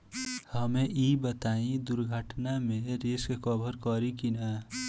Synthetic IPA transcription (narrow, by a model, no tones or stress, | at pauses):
həmẽʔibət̪aːĩd̪ʊɾɡʱəʈnamẽɾeskekɔbʱəɾkɔɾikina